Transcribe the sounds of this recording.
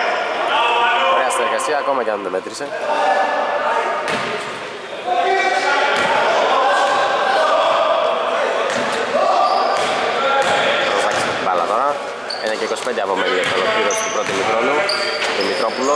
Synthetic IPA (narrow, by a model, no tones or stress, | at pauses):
oɾe̞ɐsineɾɣɐsiɐːko̞mɐcɐnðemet̪ɾise | tɾovɐcist̪ɐt̪ibɐlɐ̰t̪o̞ɾɐ | enɐceikosi̥pe̞nd̪eɐpomeɲiost̪olopiɾostupɾo̞t̪imit̪ɾonunðimit̪ɾo̞pulo